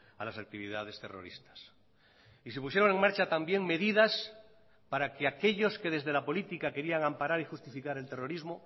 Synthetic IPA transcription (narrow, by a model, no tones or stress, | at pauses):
alasak̚t̪iβiðað̞e̞st̪ero̞̰ɾḭst̪ḁs | is̬epusje̞ɾo̞ŋe̞ŋmaɾt͡ʃat̪ambje̞ŋme̞ðiðas | paɾakeake̞ʎo̞ske̞ðe̞zðe̞lapo̞lit̪ikake̞ɾiaŋãmpaɾaɾixust̪ifikaɾe̞lt̪e̞ro̞ɾizmo